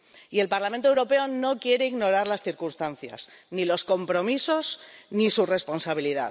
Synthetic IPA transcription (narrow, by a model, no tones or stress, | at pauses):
ie̞lpaɾlament̪owɾo̞pe̞o̞no̞kje̞ɾe̞iɣno̞ɾaɾlasθiɾkunst̪anθja̰z̥nilo̞sko̞mpɾo̞miso̞znisure̞spo̞nsaβ̞iliða̰